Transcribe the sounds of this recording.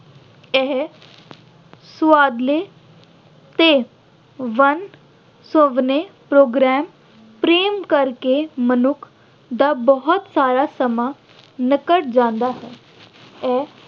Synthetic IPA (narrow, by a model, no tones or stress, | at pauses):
ɛ | sʋaːd̪le | t̪e | ʋən | sõʋnepɾoːɡɾɛːm | pɾeːmkəɾkemənʊkʰ | d̪abɔɦɔt̪saːɾasɐma | nɪkəʈ̚d͡ʒãːnd̪aɦɛː | ɛ